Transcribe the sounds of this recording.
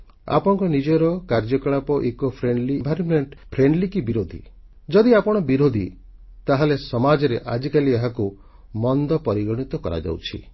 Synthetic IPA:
a̰pɔɽ̃kɔnid͡ʒɔɾɔkaɾd͡ʒɔkaɭapɔʔekopʰɾeɳɖlibʱaɾɔmeɳʈpʰɾeɳɖlikibiɾod̪ʱḭ | d͡ʒɔd̪iapɔɽ̃ɔbiɾod̪ʱi | t̪aɦalesɔmad͡ʒɔɾḛʔad͡ʒikalieɦaku | mɔnd̪ɔpɔɾiɡɔɽ̃it̪ɔkɔɾa̰d͡ʒa̰wt͡ʃʰḭ

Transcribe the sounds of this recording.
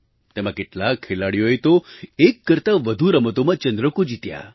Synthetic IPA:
t̪emãkeʈlakʰːelaɽjojt̪oekːəɾt̪aʋəd̪ʱuɾəmət̪omat͡ʃənd̪ɾəkod͡ʑit̪ja̰

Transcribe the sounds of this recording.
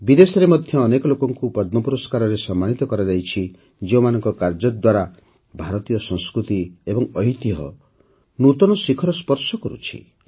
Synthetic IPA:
bid̪esɔɾemɔd̪ʱjɔːnekɔlokɔŋkupɔd̪̚mɔpuɾɔskaɾɔɾesɔmːanit̪ɔkɔɾad͡ʒajt͡ʃʰi | d͡ʒeũmanɔŋkɔkaɾd͡ʒɔd̪waɾa | bʱaɾɔt̪ijɔsɔ̃ŋskɾut̪iebɔŋɔɦit̪iɦɔ̰ | nut̪ɔnɔsikʰɔɾɔspɔɾsɔkɔɾṵt͡ʃʰḭ

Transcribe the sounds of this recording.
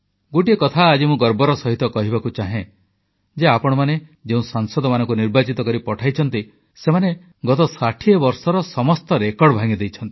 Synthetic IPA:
ɡoʈiekɔt̪ʰaːd͡ʒimũɡɔɾbɔɾɔsɔɦit̪ɔkɔɦibakut͡ʃaɦẽ | d͡ʒeapɔɽ̃ɔmaned͡ʒeũsaŋsɔd̪ɔmanɔ̃ŋkuniɾbat͡ʃit̪ɔkɔɾipɔʈʰajt͡ʃʰɔnt̪i | semane | ɡɔt̪ɔsaʈʰiebɔɾsɔɾɔsɔmɔst̪ɔɾekɔɾɽɔbʱaŋid̪ejt͡ʃʰɔnt̪i̥

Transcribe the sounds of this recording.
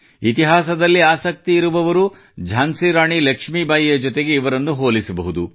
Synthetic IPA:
it̪iɦaːs̬ɐd̪ɐlːiaːsɐk̚t̪iːɾuʋɐʋɐɾu | d͡ʒʱaːnsiɾaːɳilɐkʂmibaːjijɐd͡ʒɔt̪eɡe̞iʋɐɾɐnːuɦoːlisɐbɐɦud̪u

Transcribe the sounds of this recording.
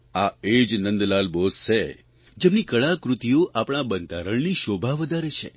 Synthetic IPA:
aed͡ʒnənd̪lalbosʃe | d͡ʒemnikəɭakɾut̪ijoʔapɳ̃abənt̪aɾəɳniʃobʱaʋəd̪ʱaɾet͡ʃʰḛ

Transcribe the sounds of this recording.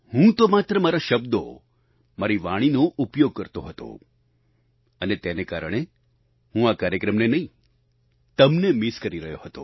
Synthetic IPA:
hũt̪omat̪ɾəmaɾaʃəbd̪o̰ | maɾiʋaɽ̃inoʔupjoɡ̚kəɾt̪oɦət̪o̰ | ənet̪enekaɾəɽ̃e | hũakaɾjəkɾəmnenəĩ | t̪əmnemiskəɾiɾəɦjoɦət̪o̰

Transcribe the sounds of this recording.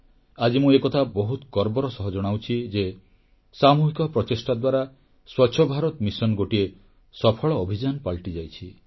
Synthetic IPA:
ad͡ʒimuekɔt̪ʰabɔɦut̪ɡɔɾbɔɾɔsɔɦɔd͡ʒɔɽ̃awt͡ʃʰid͡ʒe | samuɦikɔpɾɔt͡ʃesʈad̪waɾa | swɔtːʃʰɔbʱaɾɔt̪misɔnɡoʈie | sɔpʰɔɭɔːbʱid͡ʒanɔpaɭʈid͡ʒajt͡ʃʰi

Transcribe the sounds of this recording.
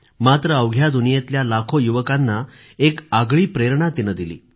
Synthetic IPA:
mat̪ɾəəwɡʱjad̪unijet̪ljalakʰojuʋəkanːa | ekaɡɭiːpɾeɾɳat̪inəd̪ilḭː

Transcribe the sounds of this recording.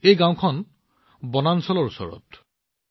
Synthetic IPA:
ejɡãw̃kʰɔn | bɔnansɔlɔɹusɔ̰ɹɔ̰t

